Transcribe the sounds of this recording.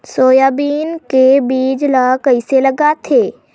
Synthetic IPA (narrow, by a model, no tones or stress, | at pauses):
soːjaːbiːnkebiːd͡ʒlakəiselɐɡat̪ʰeː